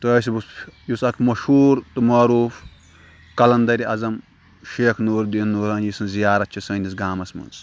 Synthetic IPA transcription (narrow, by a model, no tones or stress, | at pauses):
t̪ɐːs̬ibusjusɐkʰmɐʃhuːɾt̪umɐɾuːf | kɐlɐnd̪ɐɾʲiɐzɐm | ʃeːkʰnuːɾd̪inːuːɾɐnjisɨnzijaːɾɐt̪̚t͡ʃʰisɐːnʲis̬ɡaːmɐsmɐ̰nz